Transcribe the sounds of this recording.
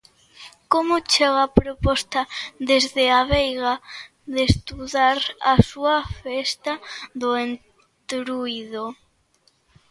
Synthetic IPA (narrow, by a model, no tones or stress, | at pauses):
komʊt͡ʃeɣapɾopɔst̪aðezðeaβejɣa | ðest̪uðaɾasuafest̪aðʊen | t̪ɾuiðo